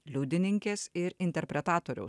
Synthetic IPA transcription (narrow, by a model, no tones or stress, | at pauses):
lʲuːd̪ʲɪnʲɪŋʲkʲeːsɪɾɪnʲt̪ʲɛɾʲpʲɾʲɛt̪ɑːt̪oːɾʲɛ̰ʊs